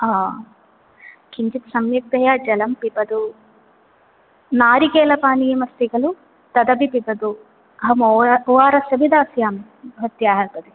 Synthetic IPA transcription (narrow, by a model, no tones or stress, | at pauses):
aː | kiɲt͡ʃit̪sɐmjɐk̚t̪ɐjaːd͡ʒɐlɐmpipɐd̪u | naːɾikeːlɐpaːnijɐmɐst̪iɡɐlu | t̪ɐd̪ɐbipipɐd̪u | ɐɦɐmuːʋaːɾɐsɐbid̪aːsjaːm | bʱɐt̪jaːɦɐɾpɐd̪i